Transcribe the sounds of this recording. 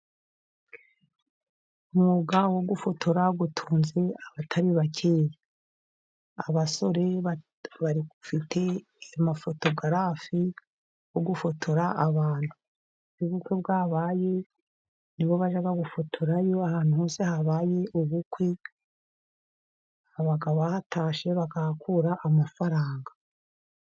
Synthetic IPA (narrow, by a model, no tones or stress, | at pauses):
umuːɡawo̞ɡufo̞tʰo̞ɾaɡutʰuːnze̞aβatʰaɾiβacʰeːje | aβaso̞ɾe̞ | βaɾiufitʰe̞ | mafo̞to̞ɡaɾafi | woɡufo̞tʰo̞ɾaʔaβaːn̥hu | uβukwe̞bɡaːβaːje̞ | niβo̞βaʒaɡaɡufo̞tʰoɾajoahaːn̥uho̞ːse̞haβaje̞ʔuβukwe̞ | βaɡaβahatʰaːʃe̞βaɡahakuɾaʔamafaɾaːŋɡa